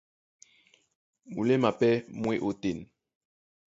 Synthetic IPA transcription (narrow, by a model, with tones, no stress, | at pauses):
ṵ˨le˦ma˨pɛ˦mwe˦ʔo˨te˨n